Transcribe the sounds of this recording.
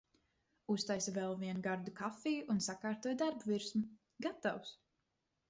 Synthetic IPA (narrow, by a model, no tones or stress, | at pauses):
ust̪ajsvɛlˠviɛnuɡaɾd̪ukafijʔunsakaːɾt̪uɔjd̪aɾbuviɾsmu | ɡat̪aws